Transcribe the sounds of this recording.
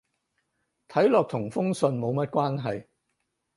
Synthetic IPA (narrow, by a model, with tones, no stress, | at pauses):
t̪ʰɐ˨˥jlɔː˨k̚t̪ʰʊ˨˩ŋfʊ˥ŋsɵ˧nmo˨˧wmɐ˥t̚kʷwaː˥nɦɐ˨j